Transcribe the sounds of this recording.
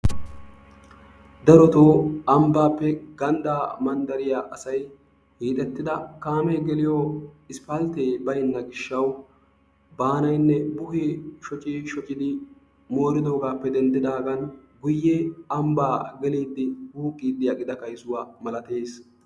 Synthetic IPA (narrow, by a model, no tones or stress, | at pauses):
d̪ɐɾɔt̪oːɐmbaːpːɛɡɐnd̪aːmɐnd̪ɐɾɪjaʔɐsɐj | hiːt̪ʼɛt̪ːɪd̪ɐkaːmɛjɡɛlɪjɔɪspɐlt̪eːbɐjnːɐɡɪʃːɐw | baːnɐjnːɛbʊheʃɔt͡ʃʼiːʃɔt͡ʃʼːɪd̪ɪ | mo̞ːɾɪd̪o̞ːɡaːpːɛd̪ɛnd̪ɪd̪aːɡɐnɡʊjːɛɐmbaːɡɛliːd̪ːɪhuːkʼːiːd̪ːɪɐɡʼɪd̪ɐkɐjsʊwaːmɐlɐt̪e̞ːs